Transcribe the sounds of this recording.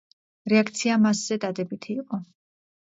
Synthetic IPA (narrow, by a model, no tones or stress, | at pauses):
ɾɛakʰt̪sʰiamasz̥ɛd̪ad̪ɛbit̪ʰiːqʼɔ